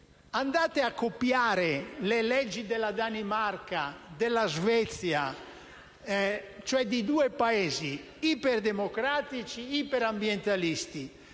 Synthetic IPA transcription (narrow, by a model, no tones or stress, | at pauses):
and̪aːt̪eakːopjaːɾelelɛd͡ʒːid̪ɛlːad̪animarkad̪ɛlːazvɛt̪sja | t͡ʃoɛd̪id̪uːɛpaɛːzi | ipɛrd̪emokɾaːt̪it͡ʃiipɛɾambjɛnt̪alist̪i